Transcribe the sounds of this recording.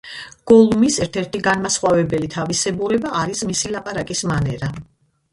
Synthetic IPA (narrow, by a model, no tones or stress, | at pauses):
ɡ̥ɔlˠumisɛɾt̪ʰɛɾt̪ʰiɡanmasχwavɛbɛlit̪ʰavisɛbuɾɛbaʔːɾismisilapʼaɾakʼismanɛɾa